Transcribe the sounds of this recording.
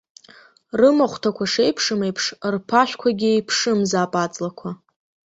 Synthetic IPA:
rɨmaχʷtʰakʷʰaʂejpʰʂɨme̞jpʰʂrpʰaʃʷᶣkʷʰaɡʲijpʰʂɨmzaːpʼat͡sʼlakʷʰa

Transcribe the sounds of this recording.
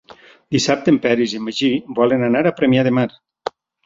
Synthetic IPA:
d̪isap̚t̪empɛɾizimeʒibɔlenanaɾapɾemijaðemaɾ

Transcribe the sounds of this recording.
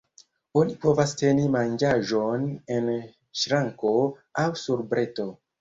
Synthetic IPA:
o̞nipo̞vaste̞nimand͡ʒaʒone̞n | ʃɾaŋko̞awsuɾbɾe̞to̞

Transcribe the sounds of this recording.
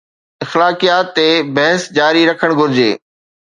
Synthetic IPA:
ɪxlaːkijaːt̪ːebɐɦəsd͡ʑaːɾiɾɐkʰəɽ̃ɡʱʊɾɪd͡ʑḛː

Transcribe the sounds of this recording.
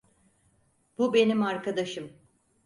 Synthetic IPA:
b̥ube̞nimaɾkad̪aʃɯm

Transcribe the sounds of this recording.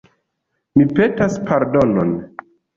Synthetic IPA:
mipetaspaɾdolon

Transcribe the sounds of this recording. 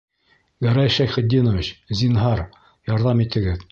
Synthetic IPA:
ɡæɾɑjʃæjχɘ̆d̪ːinovʲit͡ɕzʲinɦɑɾ | jɑɾðɑmit̪ɘ̆ɡɘð

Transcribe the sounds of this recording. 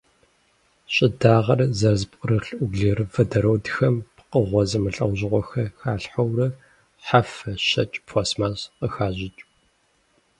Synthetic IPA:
ɕʼɪdaːʁɐrzɐrzpʷʼʊrɨɬʔʷʊɡɮiːrɨfɐdɐɾowdxɐmpqəʁʷɔzɨmɨɬʼɐwʑɪʁʷɔxɐxaːɬħɐwrɐ | ħafɐʃɐt͡ʃʼpʰosmaːsqəxaːʑɪt͡ʃʼ

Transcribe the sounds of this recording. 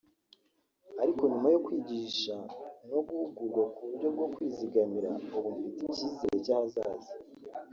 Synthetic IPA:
aɾiko̞ɲumajo̞kwiːɟiːʃano̞ɡuhuɡuɾɡwakuβuɾɟo̞b̚ɡo̞kwiːziɡamiɾa̰uβumfiticiːzeɾecahazaːzi

